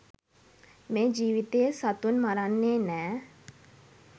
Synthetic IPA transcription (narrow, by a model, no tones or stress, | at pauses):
mẽːd͡ʒiːʋit̪eesɐt̪unmaɾanːeːnɛː